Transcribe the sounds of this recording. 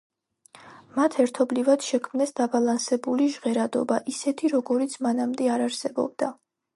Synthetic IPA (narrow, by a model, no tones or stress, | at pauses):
mat̪ʰɛɾt̪ʰɔblivad̪̥ʃɛkʰmnɛsd̪abalˠansɛbuliʒʁɛɾad̪ɔ̰baʔisɛt̪ʰiɾɔɡɔɾit̪sʰmanamd̪ɛaɾaɾsɛbɔ̰b̚d̪a